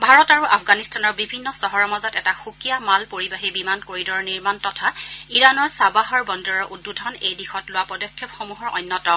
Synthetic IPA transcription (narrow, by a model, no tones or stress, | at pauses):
bʱaɹɔtaɹuʔafʰɡanistanɔɹbibʱinːɔsɔɦɔɹɔmazɔtɛtaxukijamalpoɹibaɦibimankoɹidɔɹniɹmantɔtʰaiɹanɔɹsabaɦɔɹbɔndɔɹɔɹʔudːudʱɔnejdixɔtlʊwapɔdɔkʰːjɔpxomuɦɔɹɔ̰jnːɔtɔ